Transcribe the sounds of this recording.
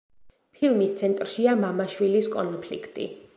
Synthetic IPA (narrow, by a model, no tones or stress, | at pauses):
pʰilˠmist̪sʰɛnt̪ʼɾʃiamamaʃwiliskʼɔnpʰlḭkʰt̪ʼḭ